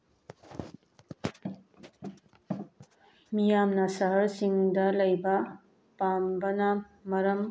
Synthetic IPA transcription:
mijamnɐsɐɦɐɾsiŋdɐlɐjbɐ | pambɐnɐ | mɐɾɐm

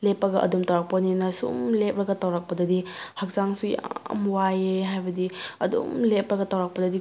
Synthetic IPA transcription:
lepːɐɡɐʔɐ̰dumtawɾak̚pɐninɐsṵmlep̚ɾɐɡɐtawɾak̚pɐdɐdihɐk̚zaŋsuja̰mwajeɦajbɐdiɐdṵmlep̚ɾɐɡɐtawɾak̚pɐdɐdi

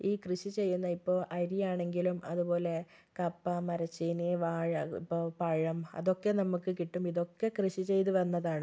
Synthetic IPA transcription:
iːkrɨɕit͡ɕe̞jːunːɐipːo̞ːʔɐɾijaːɳe̞ŋɡilumɐðupo̞ːle̞ | kɐpːɐmɐɾɐt͡ɕːiniʋaːɻɐḭpːo̞ːpɐɻɐmɐ̰ðo̞kːe̞nɐmukːɨkiʈːumiðo̞kːe̞krɨɕit͡ɕe̞jt̪̬uʋɐnːɐðaːɳɨ

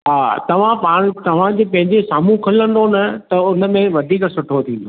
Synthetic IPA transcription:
ɦaːt̪ɐʋ̤ãpaːɽ̃t̪ɐʋ̤ãd͡ʑeːpɐ̃ɦɪ̃ɲd͡ʑesaːmũkʰɐlə̃nd̪onɐt̪ɐʊnə̆mẽʋɐd̪ʱiːksʊʈʰot̪ʰĩːn̆d̪o

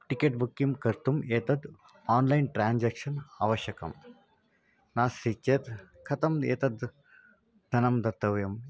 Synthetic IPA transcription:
ʈikeːʈ̚bukːimkɐɾt̪umeːt̪ɐd̪ | aːnlɐjnʈɾaːnd͡ʒaːkʂɐna̰ːʋɐʃjɐkɐ̰m | naːsːit͡ʃet̪ | kʰɐt̪ɐmḛːt̪ɐd̪ | d̪ʱɐnɐmd̪ɐt̪ːɐʋjɐm

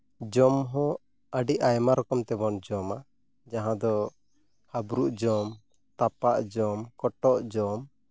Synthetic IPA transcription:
d͡ʒɔmɦɔ̃ | əɖiʔajmaɾɔkɔmt̪ɛbɔnd͡ʒɔma | d͡ʒaɦãd̪ɔ | habɾuʔd͡ʒɔm | t̪apaʔd͡ʒɔmkɔʈɔʔd͡ʒɔm

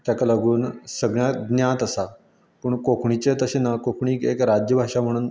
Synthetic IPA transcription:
t̪jakaləɡuːnsəɡɳjaɡ̪njãt̪əsa | pəːɳkokʰɳit͡ɕet̪əɕenakokʰɳiːkḛkɾad͡ʑjəbʱaʂam̤əɽ̃uːn

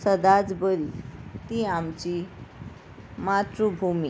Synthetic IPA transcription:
səd̪ad͡zbəɾit̪iamt͡ɕi | mat̪ɾubʱumi

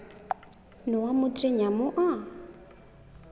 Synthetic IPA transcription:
nɔwamʊtʼɛɲamʊʔa

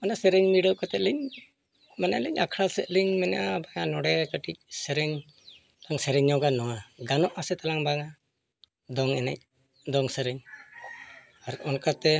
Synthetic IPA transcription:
manasɛɾɛɲmiɖəkat̪ɛliɲ | manaliɲakʰɽasɛt̪̚liɲmɛnʔabaŋanɔɽɛkəʈic̚sɛɾɛɲ | laŋsɛɾɛɲɔkanɔwaɡanɔʔasɛt̪alaŋbaŋa | d̪ɔŋɛnɛ̰c̚ | d̪ɔŋsɛɾɛɲ | aɾɔnkat̪ɛ

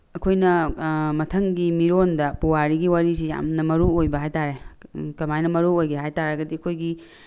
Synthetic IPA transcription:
ɐkʰojnɐmɐtʰɐŋɡimiɾondɐpuwaɾiɡiwaɾisija̰mnɐmɐɾuojbɐɦajtaɾekɐmajnɐmɐɾuojɡeɦajtaɾɐɡɐdiɐkʰojɡi

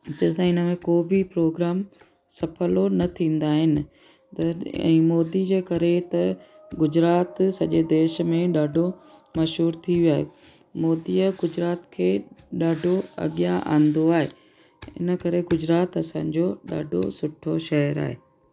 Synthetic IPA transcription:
d͡ʑɐsãɪnə̆mẽkoːbipɾoːɡɾaːm | sɐfʰəlonɐt̪ʰĩːnd̪aːɦɪnɪ̆ | t̪ɐɛ̰̃ːmɔːd̪id͡ʑeːkɐɾet̪ɐ | ɡʊd͡ʑɾaːt̪sɐʄed̪eːʃ̆mẽɗaːɖʱomɐʃɦuːɾt̪ʰiʋjaːɦe | mɔːd̪iəɡʊd͡ʑɾaːt̪kʰeːɗaːɖʱoɐ̰ɠjaʔã̰ːnd̪oaːɦeː | ɪ̰nəkɐɾeɡʊd͡ʑɾaːt̪ɐsãːd͡ʑoːɗa̰ːɖʱo̰sʊʈʰoʃɛɦəɾa̰ːɦḛː

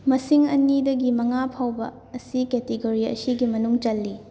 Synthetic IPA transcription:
mɐsiŋɐ̰nidɐɡimɐŋapʰawbɐ̰ː | siketiɡoɾiɐ̰siɡimɐnuŋt͡ʃɐlːi

